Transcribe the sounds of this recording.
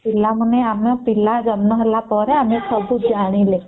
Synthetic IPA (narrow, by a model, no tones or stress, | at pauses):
pilaməneamapilad͡zənməɦlapəɾeamesəbʱud͡ʒaɽ̃ile